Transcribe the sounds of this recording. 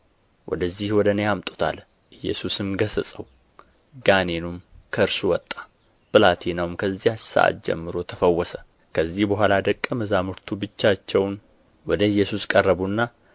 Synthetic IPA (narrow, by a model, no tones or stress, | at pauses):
wʔɔ̰d̪əzːihwɔd̪ənəjamt̪ʼu̥t̪ʰa̰l | ʔɨjːɛ̰susɨmɡəsəsʼəw | ɡanenumkʰəɨɾsuwɔt̪ʼːḁ | b̥ɨlat̪ʰinawmkʰəzːihasa̰ʔa̰t̪̚d͡ʒɛ̰mːɨɾo̞t̪ʰəfəwːɔsə | kʰəzːihbəɦʷalad̪əkʼːəməzamɨɾt̪ʰubɨt͡ʃːat͡ʃːɛwn | wɔd̪əɨjːɛsuskʼərːəβunːa